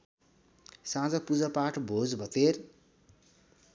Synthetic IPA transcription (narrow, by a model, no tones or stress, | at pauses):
sãd͡zʌpud͡zʌpaʈʰbʱod͡zbʱʌt̪er